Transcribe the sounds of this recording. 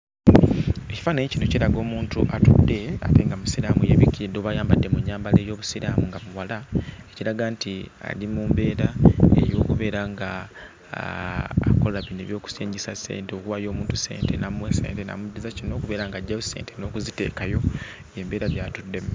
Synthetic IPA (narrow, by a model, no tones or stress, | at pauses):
eci̥faneɲcinociɾaɡo̞ːmuːntuʔatṵdːe̞a̰teŋɡamusiɾamujeβikidoβajaːmbadːe̞muɲːaːmbale̞ːjo̞ːβusiɾamuŋɡamuwalaeciɾaɡantia̰limumbe̞ːɾaḛjo̞ːkuβe̞ːɾaŋɡa | ko̞laβineβjo̞ːku̥siːɲɟisase̞̰ːnteokuβajo̞ːmuːntuse̞̰ːnte̞namwesḛːntena̰mudːizacino̞ːkuβe̞ːɾaŋɡaɟːajusḛːnteno̞ːkuzite̞̰ːkajo̞ | je̞ːmbeːɾaβjaːtudːe̞